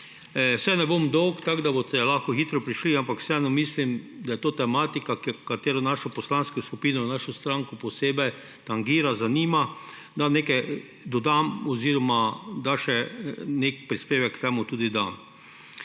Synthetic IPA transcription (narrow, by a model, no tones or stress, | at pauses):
wsɛnɛbomd̪ɔwkt̪aɡd̪abot̪ɛlaxkɔxit̪ɾɔpɾiʃliampakw̥sɛɛnɔmislimd̪ajɛt̪oːt̪ɛmaːt̪ikakkat̪eːɾonaʃopɔslanskoskupiːnonaʃost̪ɾãŋkoposeːbɛ | t̪aŋɡiːɾazaniːma | d̪anekɛ | d̪ɔd̪amɔziːɾɔmad̪aʃɛnek̚pɾispeːʋɛkːt̪ɛːmʊt̪uːd̪id̪am